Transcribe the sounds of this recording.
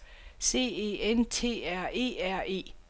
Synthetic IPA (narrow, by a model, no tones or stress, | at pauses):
se̝̰ːe̝̰ent͡sʰe̝̰ːæɐ̰e̝̰ːæɐ̰e̝̰ː